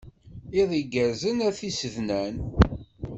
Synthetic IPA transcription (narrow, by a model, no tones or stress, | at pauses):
iðˤiɡəɾzənæθisəvnæn